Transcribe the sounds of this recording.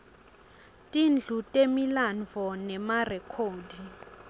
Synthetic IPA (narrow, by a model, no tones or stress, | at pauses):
tʼind͡ɮʱutʼemilanvʱɔnɛmarɛkʰoːdi